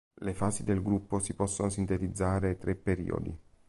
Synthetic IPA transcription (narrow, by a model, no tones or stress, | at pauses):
lefaːzid̪elɡɾupːosipɔsːonosint̪et̪id̪zːaːɾet̪ɾepːeɾḭːo̰d̪ḭ